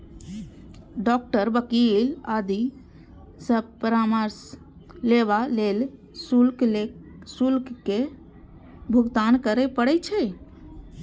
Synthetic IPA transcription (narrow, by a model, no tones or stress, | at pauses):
ɖɔk̚ʈəɾbəkilad̪i | səbpəɾaməɾs | leʋalel | sulklsulkke | bʱuɡd̪ankəɾɛpəɽɛt͡ʃʰɛ